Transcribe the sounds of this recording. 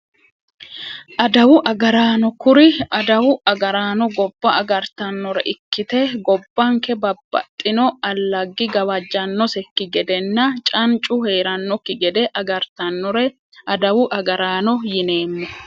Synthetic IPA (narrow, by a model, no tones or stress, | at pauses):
ʔɐd̪ɐwʊʔɐɡɐɾaːnɔkʊɾɪɐd̪ɐwʊʔɐɡɐɾaːnɔɡɔbːɐɐɡɐɾt̪ɐnːɔɾɛ̰ʔɪkːɪt̪ɛɡɔbːɐŋkɛbɐbːɐ̰t̪ʼːɪnɔɐlːɐɡːɪɡɐwɐd͡ʒːɐnːɔsɛkːɪɡɛd̪ɛnːɐt͡ʃʼɐnt͡ʃʼʊhe̞ːɾɐnːɔkːɪɡɛd̪ɛʔɐɡɐɾt̪ɐnːɔɾɛ | ɐd̪ɐwʊʔɐɡɐɾaːnɔjɪne̞ːmːɔ